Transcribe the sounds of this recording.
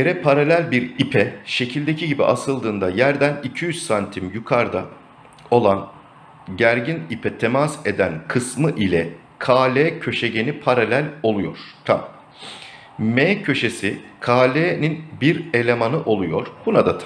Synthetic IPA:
jeɾɛpʰaɾalʲælʲbiɾipʰɛʃe̞cʰilʲd̪e̞cʰiɟibḭʔasɯlˠd̪ɯːnd̪ajæɾd̪ænicʰijyzsant̪ʰimjukʰaɾd̪a̰ | o̞lˠan | ɟæɾɟinipʰɛt̪ʰemase̞d̪ænkʰɯsmɯʔilʲɛ | kʰaːlʲeːcʰø̞ʃeɟe̞nipʰaɾalʲælʲo̞lˠujo̞̰ɾ̥t̪ʰa̰m | meːcʰø̞ʃe̞sikʰaːlʲeːninbiɾe̞lʲe̞manɯʔo̞lˠujo̞ɾ̥b̥unad̪at̪ʰ

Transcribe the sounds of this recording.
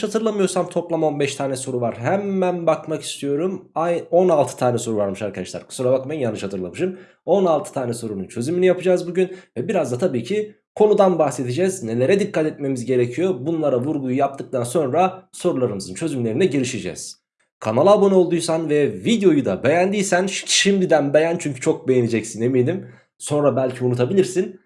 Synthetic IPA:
ʃhat̪ʰɯɾlˠamɯjo̞ɾsamt̪ʰo̞plˠamo̞nbɛʃt̪ʰaːnɛso̞ɾuvaɾɦæmːænbakmaki̥st̪ʰijo̞ɾumajo̞nalˠt̪ʰɯ̥t̪ʰaːnɛso̞ɾuvaɾmɯʃaɾkʰad̪aʃlˠa̰ɾkʰɯ̥suɾabakmajinjanːɯʃhat̪ʰɯɾlˠamɯʃɯn | o̞nalˠt̪ʰɯ̥t̪ʰaːnɛso̞ɾununt͡ʃʰø̞zyminijapɯd͡ʒaːzbuɟynvɛbiɾazd̪at̪ʰabiːcʰi | kʰo̞nud̪anbaxse̞t̪ʰid͡ʒɛːzne̞lʲe̞ɾɛd̪ikʰːat̪ɛt̪̚me̞mizɟe̞ɾecʰijo̞bunlˠaɾavuɾɡujujap̚t̪ʰɯk̚t̪ʰanso̞nɾaso̞ɾulˠaɾɯmɯzɯnt͡ʃʰø̞zymlʲe̞ɾinɛɟeɾiʃed͡ʒɛ̰z̥ | kʰanalˠabo̞no̞lˠd̪ujsanvɛvid̪jo̞jud̪abe̞jænd̪ijsænʃʃimd̪id̪ænbe̞jænt͡ʃʰyɲcʰy̥t͡ʃʰo̞k̚be̞jenid͡ʒɛcsineminʲim | so̞nɾabælʲcʰiunut̪ʰabilʲiɾsin

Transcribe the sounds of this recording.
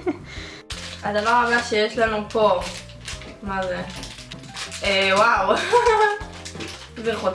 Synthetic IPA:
ad̪avaʁabaʃejeʃlanupʰo̞ | maze | ewaw | veχo

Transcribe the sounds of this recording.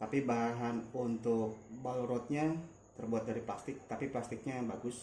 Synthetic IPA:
t̪apibaɦanunt̪ʊk̚baloɾɔt̪̚ɲa | t̪ərbuat̪̚daɾiplast̪ɪk̚t̪apiplast̪ɪk̚ɲabaɡʊs

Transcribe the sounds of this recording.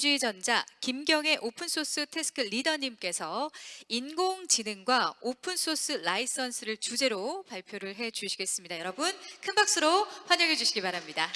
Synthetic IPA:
d͡ʑued͡ʑʌnd͡ʑakimɡjʌŋe̞ʔopʰɯnsʰos͈ɯtʰe̞sʰɯ̥kʰɯʎidʌɲimk͈e̞sʰʌinɡoŋt͡ɕinɯŋɡwaopʰɯns͈ʰos͈ɯɭais͈ʌnsʰɯɾɯɭt͡ɕud͡ʑe̞ɾopaɭpʰjoɾɯɭɦe̞t͡ɕuɕʰiɡe̞s͈ɯmɲidajʌɾʌbunkʰɯnbak̚s͈ɯɾoɸwaɲʌŋɦe̞d͡ʑuɕʰiɡibaɾamɲida

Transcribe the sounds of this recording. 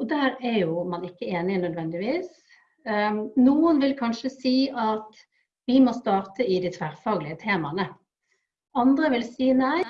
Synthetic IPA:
ɔd̪æːɾɛɾjʊmɑnɪkːəeːnɪnœd̪ʋɛnd̪ɪʋiːs | nuːənʋɪlkʰɑnʂəsiːʔɑt̪ | ʋɪmɔst̪ɑːɾt̪ʰəɪd̪æɪt̪ʰʋæɾfɑːɡlɪət̪ʰeːmɑnə | ɑnd̪ɾəʋɪlsiːənæɪ

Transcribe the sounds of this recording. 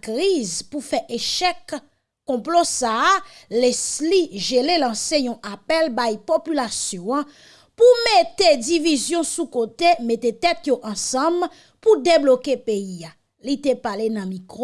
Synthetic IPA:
kʁizpufɛʔeʃɛkː | ɔ̃plosaalɛsliʒelelɑ̃sejɔ̃ʔapɛlbajpopylasjɔ̃ã | pumet̪edivizjɔ̃sukot̪emet̪et̪ɛt̪joʔɑ̃sɑ̃m | pud̪eblokepeia | lit̪epalenɐ̃mĩk

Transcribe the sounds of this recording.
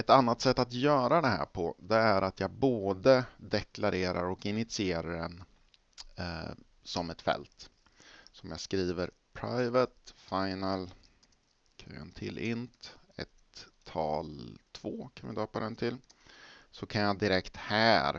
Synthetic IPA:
ɛt̪anːat̪sɛt̪ːat̪jœːɾad̪ɛɦæ̰ːɾpʰɔd̪ɛæɾat̪jɑːɡboːd̪əd̪ɛklaɾeːɾa̰ɾɔkɪnɪt̪sɪeːɾaɾɛn | sɔmɛt̪fɛ̰lt̪ | sɔɔmjaːɡskɾiːvəɾ | pʰɾa̰jvət̪faɪnəl | kʰːə̰nt̪ʰɪ̰lʔɪnt̪ɛ̰t̪ʰː | ɑ̰ːlt̪ʰvoːkʰanvɪd̪ɑːpad̪ɛnt̪ʰɪl | sɔkʰanjad̪ɪɾɛkt̪hæːɾ

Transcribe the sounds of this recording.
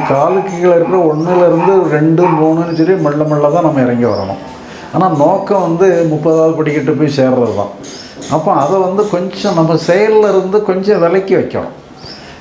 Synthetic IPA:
kaːlɯkːɐɣɐɭɪɾɯkːɪɾɐɔɳːɪlɪɾɯnd̪ɯɾɛɳɖɯmuːɳɯ̃ɐnːɯtɛɾɪĩmɐɭːɐmɐɭːɐt̪ãːnɐmːɐɪɾɐŋɡiʋɐ̰ɾɐɳʊ̰̃ | aːnaːnoːkːɐ̃ʋɐnd̪ɯmʊpːɐðaːʋɐðɯpɐɽɪkːɪʈːɯpːoːjseːɾɾɐðɯt̪ã̰ː | ɐpːõɐðɛʋɐnd̪ɯkɔɲd͡ʒɔ̃nɐmːɐsɛjɐllɪɾɯnd̪ɯkɔɲd͡ʒɔ̃ʋɛlɐɪkːɯʋɐɪkːɐ̰ɳʊ̰̃

